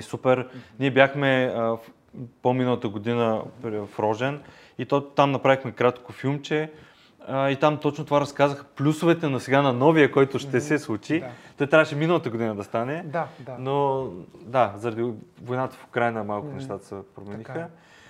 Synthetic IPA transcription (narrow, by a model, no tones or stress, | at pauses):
supɛɾniɛbjaxmɛ | pominəlˠət̪əɡod̪inəpfɾɔʒɛn | it̪ot̪amnɐpɾavixmɛkɾat̪kofilˠmt͡ʃɛ | əit̪amt̪ɔt͡ʃnot̪ovaɾɐskazəxə̥plʲusovɛt̪ɛnɐsɛɡanɐnɔvijəkɔjt̪ʊʃt̪ɛsɛslˠut͡ʃit̪ɔjt̪ɾʲavəʃɛminəlˠət̪əɡod̪inəd̪ɐst̪anɛno | d̪azɐɾɐd̪ivojnat̪ə̥fo̥kɾajnəmalˠkʊnɛʃt̪at̪ə̥sɛpɾomɛnixə